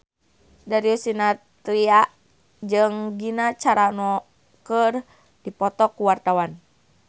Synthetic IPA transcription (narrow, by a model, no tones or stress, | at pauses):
daɾiusinat̪ɾiaʔ | d͡ʒɨŋɡinat͡ʃaɾanɔ | kər | dipɔt̪ɔkuwart̪awan